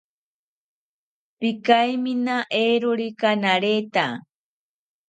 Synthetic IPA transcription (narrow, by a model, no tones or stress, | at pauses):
pɪkajminaʔeɾʊɾikanaɾet̪a